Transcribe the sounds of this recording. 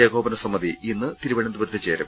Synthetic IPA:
eːɡʱo̞ːbɐnɐsɐmːɐðiʔinːɨt̪iɾuʋɐɳɐnd̪ʋɨɾd̪ʰɐt͡ɕeːɾɐm

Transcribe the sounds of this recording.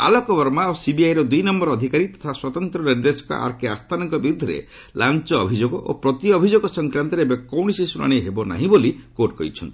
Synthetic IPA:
a̰lɔkɔbɔɾmaosibiajɾɔd̪ujnɔmbɔɾɔːd̪ʱikaɾit̪ɔ̥t̪ʰaswɔt̪ɔnt̪ɾɔniɾd̪esɔ̥kɔ̰ʔa̰ɾkiast̪ʰaniŋkɔbiɾud̪ʱːɔɾḛ | lant͡ʃɔːbʱid͡ʒoɡɔʔo̰pɾɔt̪iɔbʱid͡ʒoɡɔsɔŋkɾant̪ɔɾebekɔwɳ̃isesuɽ̃a̰ɽ̃iɦebɔna̰ɦĩbolikoʈkɔ̰ɦit͡ʃʰɔnt̪i̥

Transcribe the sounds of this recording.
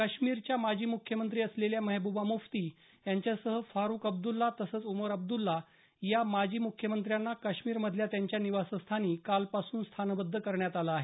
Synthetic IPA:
kaɕmiːɾt͡ɕjamad͡ʑʱiːmukʰjəmənt̪ɾiːəsleljaməɦbubamuft̪iː | jaɲt͡ɕjasəɦəfaɾuːkəb̚d̪ulːat̪əsət͡suməɾəb̚d̪ulːa | jamad͡ʑʱiːmukʰjəmənt̪ɾjanːakaɕmiːɾməd̪ʱljat̪jaɲt͡ɕjaniʋasəst̪ʰaniːkalpasuːnst̪ʰanbəd̪ʱːəkəɾɳjat̪alaːɦe

